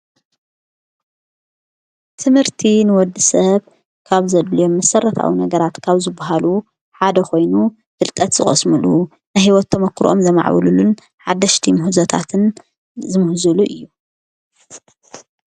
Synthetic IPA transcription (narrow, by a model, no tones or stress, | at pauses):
t̪ʰɨmhɨɾt̪ʰinɨwɔd̪ːisɐβ | kʰaβzɐd̪lijo̞mːɐsɐrɐt̪ʰa̰winɐɡɐɾat̪kʰaβzɨbːaɦalu | ħad̪ɐxʰo̞jnu | fɨlk̪ʼɐt̪z̥ɨχʼɐ̰smulu | najhiwɔt̪ʰːɐmɐkʰːɾʔomzɐma̰ʕβɨ̰lulun | ħad̪ːɐʃt̪ʰimɨhuzɐt̪ʰa̰t̪ʰɨn | zɨmɨhzuluʔɨjːu